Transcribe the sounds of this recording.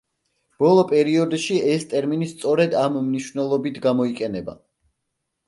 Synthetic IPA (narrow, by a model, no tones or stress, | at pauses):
b̥ɔlˠɔpʼɛɾiɔd̪ʃiɛst̪ʼɛɾminist̪sʼɔɾɛd̪amːniʃvnɛlˠɔbit̪ʰɡamɔiqʼɛnɛba̰